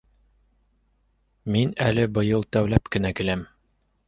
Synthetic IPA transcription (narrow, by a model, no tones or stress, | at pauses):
minælɘbɤ̆jɤlˠt̪æwlæpkɘ̆nækɘ̆læm